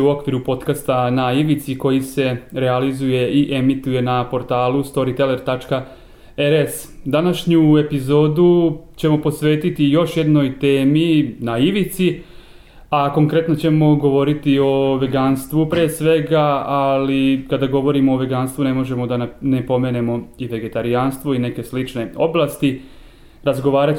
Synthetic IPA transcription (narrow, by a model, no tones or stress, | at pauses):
uo̞kʋiɾupo̞t̪kast̪anaiʋit̪siko̞jise̞ɾe̞alizuje̞iʔe̞mit̪uje̞napo̞ɾt̪aːlˠust̪o̞ɾit̪e̞le̞ɾt̪at͡ʃka | eɾes | d̪anaʃɲue̞pizo̞ːd̪ut͡ɕe̞mo̞po̞sʋe̞ːt̪it̪ijo̞ʃje̞d̪no̞jt̪e̞ːminaiʋit̪si | ako̞ŋkɾe̞t̪no̞t͡ɕe̞mo̞ɡo̞ʋo̞ɾit̪io̞ʋe̞ɡanst̪ʋupɾeːsʋe̞ɡaalikad̪aɡo̞ʋo̞ɾimoːʋe̞ɡanst̪ʋune̞mo̞ʒe̞mo̞d̪annepo̞me̞ːne̞mo̞iʋe̞ɡe̞t̪aɾijanst̪ʋoine̞ke̞slit͡ʃne̞o̞̰blˠast̪i | ɾazɡo̞ʋaːɾa